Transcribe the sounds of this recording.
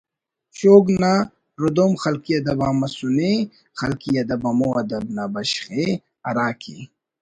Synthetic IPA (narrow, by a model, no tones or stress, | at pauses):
ɕoːɡna | ɾud̪omxɐlkiɐd̪ɐbamɐsune | xɐlkijɐd̪ɐbɐmoɐd̪ɐbnabɐɕχe | ɐɾaːkʰḭ